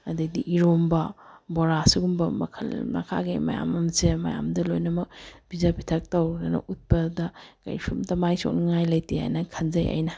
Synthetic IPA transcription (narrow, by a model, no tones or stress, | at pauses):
ɐdediʔiɾombɐbɔɾasuɡumbɐmɐ̰kʰɐ̰lmɐ̰kʰa̰ɡḛmɐ̰ja̰mɐmsemɐ̰ja̰mdɐlojnɐmɐk̚b̥izapʰitʰɐk̚tɐwɡɐnɐ̰ʔut̚pɐdɐkɐ̰jsumtɐmajso̰k̚niŋajlɐjtia̰jnɐkʰɐnzɐja̰jnɐ